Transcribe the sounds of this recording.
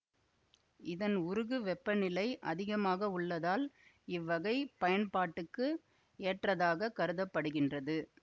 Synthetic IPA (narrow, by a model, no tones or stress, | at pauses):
ɪðɐnʊɾɯɣɯʋɛpːɐnɪlɐɪʔɐðɪɣɐmaːɣɐʊɭːɐðaːl | ɪʋːɐɣɐɪpɐjɐnpaːʈːɯkːɯ | eːʈrɐðaːɣɐkɐɾɯðɐpːɐɽɯɣɪndrɐðɯ